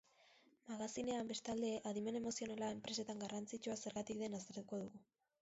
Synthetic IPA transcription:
maɣasine̞ambe̞st̪ald̪e̞ʔaðime̞ne̞mo̞sio̞nalaempɾe̞se̞t̪aŋɡarant͡sit͡ʃuase̞ɾɣat̪ikd̪e̞nast̪eɾt̪uko̞ðuɣu

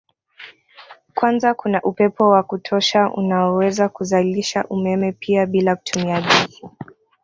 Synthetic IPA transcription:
kwanzakunaʔupɛpɔwakutʰɔʃaʔṵnaɔwɛzakuzaliʃaʔumɛmɛpʰiaɓilaku̥tʰumiaʄi

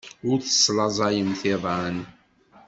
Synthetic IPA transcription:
ʊɾθə̥slɑzˤɑjəmθɪðˤʕan

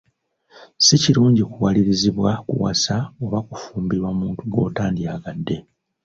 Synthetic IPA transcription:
siciɾuːɲɟikuwaliɾiziβwakṵwa̰saoβakufuːmbiɾwamuːntuɡo̞̰ːtaːndiaɡadːe̞

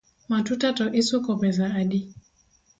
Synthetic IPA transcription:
matutatɔʔisukɔpɛzaːɗi

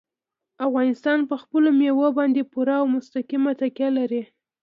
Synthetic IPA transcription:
afɣɑnɪst̪ɑnpəxpəlomewobɑnd̪epuɾaːwmʊst̪akimat̪akjalaɾi

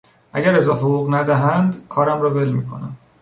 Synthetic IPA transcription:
ʔæ̰ɟæɾezɒːɦhoɣuɣnæd̪æɦænd̪kʰɒːɾæmɾɒːve̞lmiːkʰo̞̰næm

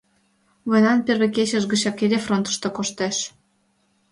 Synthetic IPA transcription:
βonɑnpʲerβeket͡ɕə̆ʒɣə̆t͡ɕɑkeɾʲefront̪ə̥ʃt̪ŏkoʃt̪eʃ

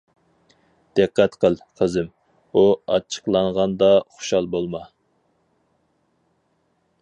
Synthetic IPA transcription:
d̪̥ɨqːɛt̪qʰəlˠqʰəzɨm | uɑt͡ʃʰə̥qlˠɑɴʁɑnd̪ɑχʊ̥ʃɑlˠbolˠmɑ

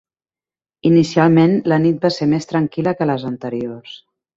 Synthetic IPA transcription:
inisialˠmenlənit̪̚baseɾmest̪ɾəŋkiləkələzənt̪əɾios

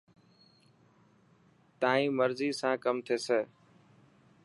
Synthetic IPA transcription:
t̪aːĩːməɾziːsãːkəmt̪ʰeːseː

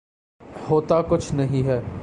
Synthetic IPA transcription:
hoːt̪akʊt͡ʃʰnɐɦĩɦɛː

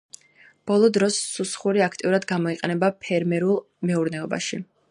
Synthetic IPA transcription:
b̥ɔlˠɔd̪ɾɔsːusχuɾiakʰt̪ʼiuɾad̪ɡamɔiqʼɛnɛbapʰɛɾmɛɾulˠ | mɛuɾnɛɔba̰ʃi

